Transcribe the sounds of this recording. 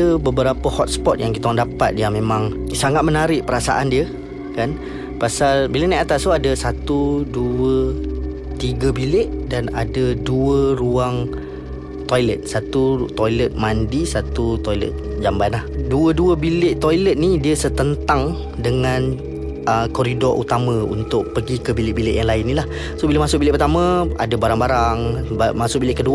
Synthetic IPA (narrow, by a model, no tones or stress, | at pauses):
əbəbəɾapəhɔt̪̚spɔt̪̚jaŋkit̪andapa̰t̪̚jaŋmẽmãŋsaŋat̪̚mənaɾɪʔpəɾasa̰ʔandiə | kan | pasalbiləʔnajat̪ast̪uadəsat̪uduə | t̪iɡəbilɪʔdana̰dəduəɾuaŋ | t̪ɔjlət̪̚sat̪ut̪ojlət̪̚mandisat̪ut̪ɔjlə̰t̪̚d͡ʒambanahduəduəbilɪʔt̪ojlət̪̚nidiəsət̪ənt̪aŋ | dəŋan | ʔəkɔɾidɔɾʔṵt̪amə̃ṵnt̪ʊʔ̚pəɡikəbilɪʔbilɪʔjaŋlaɪnːilah | sobiləmasʊʔ̚bilɪʔpət̪amə̃a̰dabaɾaŋbaɾaŋbamasʊʔ̚bilɪʔkəduə